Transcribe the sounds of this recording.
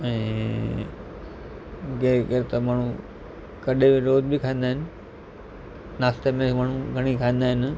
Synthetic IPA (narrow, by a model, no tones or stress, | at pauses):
ɛ̃ː | ɡeɡəɾt̪ɐmaːɳ̤̃ũ | kɐɗʱeʋɪɾoːd̪bikʰaːĩːnd̪aːɦɪnɪ̆ | naːst̪emẽmaːɳ̤̃ũɡʱɐɽ̃ikʰaːĩːnd̪aːɦɪn